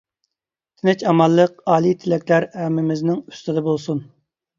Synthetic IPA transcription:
t̪ʰɪnɛt͡ʃɑmɑlˠːəqɑːlˠit̪ʰɪlɛkʲlæɾæmːɪmɪznɪŋy̥st̪ɨd̪ɑbolˠsun

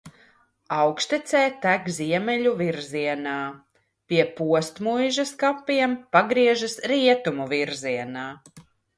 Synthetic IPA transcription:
awkst̪ɛt̪sɛjt̪æɡziɛmɛʎuviɾziɛnaː | piɛpuɔst̪mujʒaskapːiɛmpaɡɾiɛʒasɾiɛt̪umuviɾziɛnaː

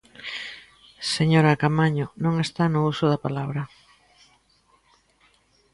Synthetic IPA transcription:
seɲoɾakamaɲʊnõŋest̪anʊusʊðapalaβɾɐ

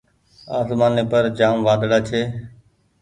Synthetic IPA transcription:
aːsmaːneːpəɾd͡ʒaːmʋaːɗ̪ɽaːt͡ʃʰeː

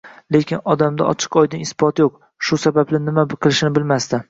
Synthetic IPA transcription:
le̞kʲʰɪnɒd̪amd̪a̰ʔɒ̰t͡ʃʰɪ̥qɒjd̪ɪnɪsbɒt̪joq | ʃʊsabablɪnɪmaqʰɨlˠɪʃnɪbɪlmast̪ɪ

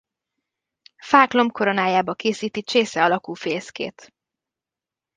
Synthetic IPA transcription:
faːklo̞mkʰo̞ɾo̞naːjaːbɒkeːsiːt̪it͡ʃeːsɛɒlɒkuːfeːskḛːt̪

